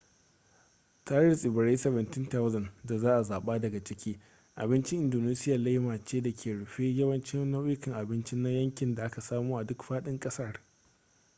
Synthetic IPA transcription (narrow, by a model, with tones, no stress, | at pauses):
taː˦ɪ˦˨sʔɪ˨bɪ˨ɽe˦sɐ˨βɐ˨ntɪ˦nta˦wzɐ˨nda˨zaː˦ʔa˨zaː˨ɓaː˦dɐ˨ɡa˨t͡ʃɪ˦kʲʰiː˦ | ʔa̰˨bɪ˦nt͡ʃɪ˦ʔɪ˨ndoː˨neː˦sɪ˦ja˨la˦jmaː˨t͡ʃeː˦da˨kʲʰeː˨ɽʊ˨ɸe˦jɐ˦wɐ˦nt͡ʃɪ˦noː˦wɪ˦kɪ˨ŋʔa˨bɪ˦nt͡ʃɪ˦na˦jɐ˦ŋkʲɪ˨nda˨ʔa˦ka˨saː˦muː˦ʔa˨dʊ˦kɸaː˦ɗɪ˦ŋkʼɐ˦sɐ˦r